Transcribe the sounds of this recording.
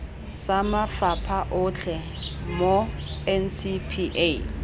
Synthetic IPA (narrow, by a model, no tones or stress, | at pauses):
samafapʰaʔʊt͡ɬʰɛ | moɛnsipʰiʔe